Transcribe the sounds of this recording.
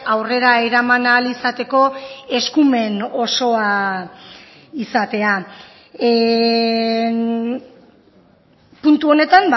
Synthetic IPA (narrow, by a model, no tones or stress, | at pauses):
awre̞ɾaeɾamanalisat̪e̞ko̞e̞skume̞no̞so̞a | isat̪e̞a | punt̪uo̞ne̞t̪amb